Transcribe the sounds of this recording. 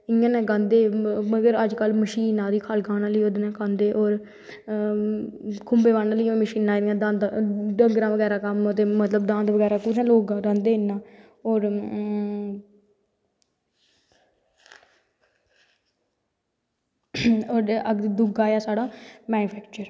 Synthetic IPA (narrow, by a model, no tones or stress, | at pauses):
ɪŋãːnɛ̃ːɡãːnd̪eːməɡəɾəd͡ʒkəlməʃiːnãːd̪iːkʰaːlɡãːnaːləiːod̪nɛ̃ːkãːnd̪eːʔɔːɾ | kʰʊmbeːʋaːnaːliːməʃiːnãːãːd̪ãːd̪ɖəŋɡɾãːʋəɡɛːɾaːkəmət̪eːmət̪ləbd̪ãːnd̪ʋəɡɛːɾaːpuːɾãːloːɡaːɾãːnd̪eːɪnːãː | ɔːɾ | oːɾəɡd̪ʊɡaːjaːsaːɽãːmɛːnuːpʰɛːkt͡ʃəɾ